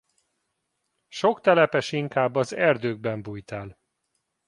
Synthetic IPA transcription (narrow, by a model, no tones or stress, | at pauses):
ʃo̞kt̪ɛlɛpɛʃiŋkaːbːɒzɛrd̪øːɡ̚bɛmbuːjt̪aːl